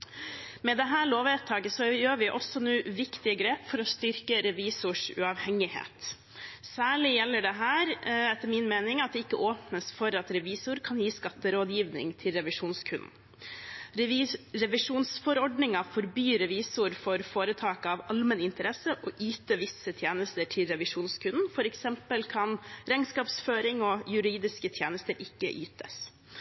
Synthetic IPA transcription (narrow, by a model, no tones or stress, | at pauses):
mɛd̪ɛɦæːɭoːʋɛt̪ʰːɑːɡəsɔjøːɾʋɪʔɔsɔnuːʋɪkt̪ɪəɡɾeːpfɔɾɔst̪ʏɾkəɾɛʋiːsʊʂʉ̰ɑʋhɛŋɪhḛːt̪ | sæːɭɪjɛlːəɖɛɦæːɾɛt̪ːəɾmɪnmeːnɪŋɑt̪̚d̪ɛɪkːəʔoːpnəsfɔɾɑt̪ɾɛʋiːsʊɾkʰɑnjiːskɑt̪ːəɾoːd̪jiːʋnɪ̰ŋt̪ʰɪlɾɛʋɪʂuːnskʰʉnn̩ | ɾɛʋɪʂuːnsfɔɾɔɖnɪŋɑfɔɾbyːɾɛʋiːsʊɾfɔɾfoːɾət̪ʰɑːkɑʋɑlmɛnɪnt̪əɾɛsəʔɔʔyːt̪əʋɪsət̪ʰjeːnəst̪əʈʰɪlɾɛʋɪʂuːnskʰʉnnfɔɾɛksɛmpəlkʰɑnɾɛŋskɑːpsføːɾɪŋɔjʉɾiːd̪ɪskət̪ʰjeːnəst̪əɾʔɪkːə̰ʔyːt̪əs